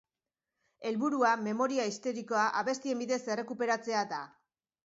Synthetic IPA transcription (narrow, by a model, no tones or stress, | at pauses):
e̞lβuɾuame̞mo̞ɾiaist̪o̞ɾiko̞aʔaβe̞st̪ie̞mbiðe̞se̞re̞kupe̞ɾat͡se̞ada